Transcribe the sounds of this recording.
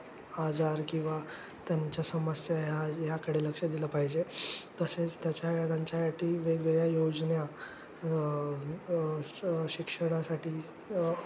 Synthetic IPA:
ad͡zaɾkĩw̃ʋa | t̪jaɲt͡ɕjasəməsjaɦjajakəɽeləkʂəd̪iləːpaɦid͡ʑet̪əset͡st̪jat͡ɕjaɽãɲt͡ɕjasaʈʰiːʋeʋeɡɭjajod͡znja | ɕikʂəɽ̃asaʈiː

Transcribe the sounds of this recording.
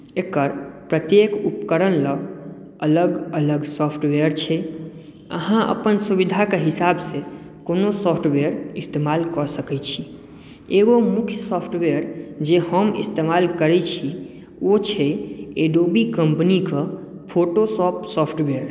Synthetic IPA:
ekːəɾpɾət̪jekupkəɾənlə | ələɡələɡsɔpʰʈweəɾt͡ʃʰɛ | ə̰ɦãʔə̰pənsubid̪ʱakeɦisabse | konosɔpʰʈweəɾist̪emalkəɾsəkɛt͡ʃʰi | eɡomukʰjəsɔpʰʈweəɾd͡ʒeɦəmḭst̪emalkəɾɛt͡ʃʰi | ot͡ʃʰɛeɖobikəmpnike | pʰoʈosɔpsɔpʰʈbeəɾ

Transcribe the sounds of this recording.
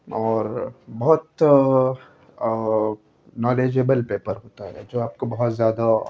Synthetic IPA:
ɔːɾbɔɦʊt̪ | nɔːleːd͡ʒebəlpeːpəɾɦoːt̪aɦɛ̰d͡ʒoːaːp̚kobɐɦɔt̪zjaːd̪a

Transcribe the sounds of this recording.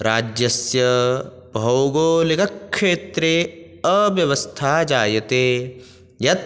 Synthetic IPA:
ɾaːd͡ʒjɐsjɐ | bʱɐwɡoːlikɐkʃeːt̪ɾe | ɐʋjɐʋɐst̪ʰaːd͡ʒaːjɐt̪eː | jɐt̪

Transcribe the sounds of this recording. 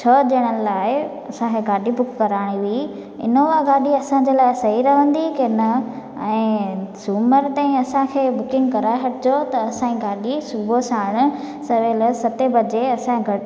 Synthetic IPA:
t͡ɕʰɐd͡ʑɐəɽ̃ənɪlaːɪ | ɐsãkʰeɡaːɗibʊkːɐɾaːɽ̃iʋii | ɪ̰noʋaɡaːɗiɐsãɲd͡ʑeːlaːɪsɐɦiɾɐʋə̃nd̪ikɪnə | ɛ̃ːsuːməɾt̪ãːĩɐsãkʰeːbʊkɪ̃ŋɡkɐɾaːɦɐʈʰɪd͡ʑot̪ɐːsãːĩɡaːɗisʊbosaːɪɽ̃ʊ̆ | sɐʋeːlsɐt̪ebɐd͡ʑeɐsãɡʱɐ

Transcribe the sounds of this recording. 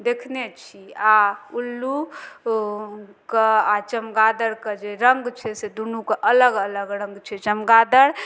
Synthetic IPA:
d̪ekʰnet͡ʃʰiaulːu | keat͡ʃəmɡad̪əɾked͡ʒeɾəŋɡt͡ʃʰɛsed̪unukeʔələɡələɡɾəŋɡt͡ʃʰɛt͡ʃəmɡad̪əɾ

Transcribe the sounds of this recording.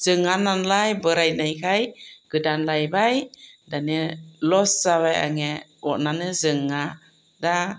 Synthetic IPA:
z̥ɯŋananlajbəɾajnajkʰajɡ̥ɯdanlajbajdanelɔsːaβaja̰ŋɛɔʔnanɯzɯŋːa | da

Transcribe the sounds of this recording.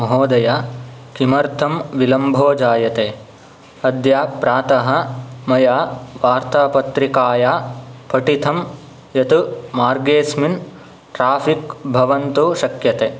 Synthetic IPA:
mɐɦoːd̪ɐjaːkimɐɾt̪ʰɐmʋilɐmbʱoːd͡ʒaːjɐt̪eː | ɐd̪jaːpɾaːt̪ɐɦɐ̆mɐjaːʋaːɾt̪aːpɐt̪ɾikaːjaːpɐʈit̪ʰɐm | jɐt̪umaːɾɡeːsmin | ʈɾaːfʰikbʱɐʋɐnt̪uʃɐkjɐt̪eː

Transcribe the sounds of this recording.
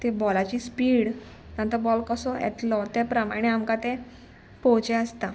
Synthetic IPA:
t̪ebɔlat͡ɕiːspiːɽ | t̪ãnt̪ɔbɔlkəsɔɛ̰t̪lɔt̪epɾəmaɽ̃eamkat̪e | pɔwt͡ɕeəst̪a

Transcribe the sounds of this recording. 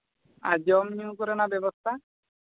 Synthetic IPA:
a̰d͡ʒɔmniũkɔɾenabebɔst̪ʰa

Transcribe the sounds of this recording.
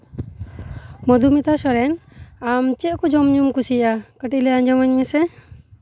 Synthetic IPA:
mɔd̪umit̪asɔɾɛnamt͡ʃɛʔkɔd͡ʒɔmɲumkusiʔakəʈilɛaɲd͡ʒɔmaɲmɛsɛ

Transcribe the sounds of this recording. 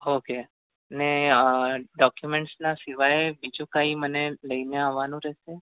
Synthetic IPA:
oke | əne | ɖɔkjumẽɳʈsnasiʋajebid͡ʒũkaĩməneləineaʋːanũɾɛɦʃe

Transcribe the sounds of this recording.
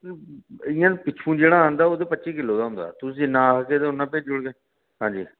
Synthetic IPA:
ɪjãːpɪːt͡ʃʰũːd͡ʒeːɽaːãːnd̪aːoːd̪eːpətːʃiːkɪlːoːd̪aːɦʊ̃nd̪a̰ːt̪ʊsinãːkeːt̪eːʊnːãːpeːd͡ʒʊɽɡeː | ɦãːd͡ʒiː

